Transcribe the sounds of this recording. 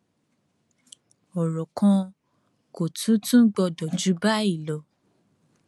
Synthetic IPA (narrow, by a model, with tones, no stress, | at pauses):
ɔ˨ɾɔ˨kʰã˧ | ko˨tʰũ˨˦tũ˦ɡ͡bɔ˧dɔ˨d͡ʒu˨˦ba˦i˦˨lɔ˨˦